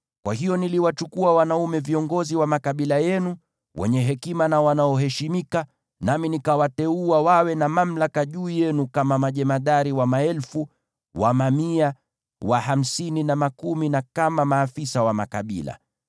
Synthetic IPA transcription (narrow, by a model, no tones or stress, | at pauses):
kwahijɔniliwat͡ʃukuawanaumɛviɔŋɡɔziwamakaɓilajɛnu | wʔɛ̰ɲɛɦɛkimanawanaɔɦɛʃimika | naminikawatɛuawawɛnamam̩lakaʄuːjɛnukamamaʄɛmaɗaɾiwamaɛlfu | wa̰mamia | waɦam̩sininamakuminakamamaːfisawama̰kaɓḭla̰